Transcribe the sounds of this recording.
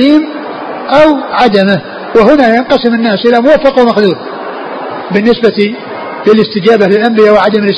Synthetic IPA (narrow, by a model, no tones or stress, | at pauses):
iːm | ʔawʕad̪amɪh | wɪhʊnajanqɑsɪmɪnːaːsʔɪlamʊwafːɑqwɪmaxd̪uːɾ | bɪnːɪsbat̪ | lɪlɪst̪ɪd͡ʒaːbalɪlʔambɪjaːwɪʕad̪amɪlɪ